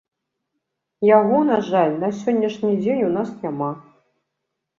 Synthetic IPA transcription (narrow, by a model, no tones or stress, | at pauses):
jaɣɔnaʐalʲnɐsʲɔnʲːɐʂnʲid͡zʲenʲunasnʲama